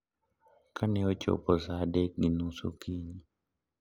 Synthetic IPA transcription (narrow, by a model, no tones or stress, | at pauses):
kanɛot͡ʃo̰pɔsadɛk̚ɡinusṵkiɲi